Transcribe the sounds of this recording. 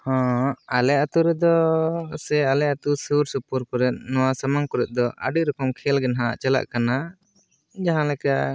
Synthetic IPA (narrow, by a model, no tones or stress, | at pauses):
hɔ̃alɛat̪uɾɛd̪ɔsɛalɛat̪usuɾsupuɾpɔɾɛt̪̚nɔwasamaŋkɔɾɛt̪̚d̪ɔʔə̰ɖiɾɔkɔmkʰɛlɡɛnɦã̰t͡ʃala̰ʔkana | d͡ʒaɦãlɛka